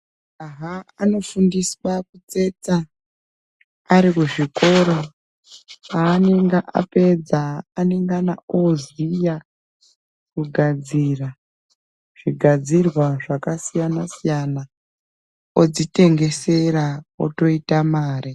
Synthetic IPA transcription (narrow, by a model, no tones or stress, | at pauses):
aɦaano̞fundiswakut͡se̞t͡sa | ɾikuʐiko̞ɾo | aːneŋɡaʔa̰pe̞d͡zaːne̞ŋɡanaozija | kuɡʱad͡zira | ʐ̥iɡʱad͡zirwaʐakasijanasijana | od͡zite̞ŋɡe̞se̞ɾao̰to̞itamaːɾi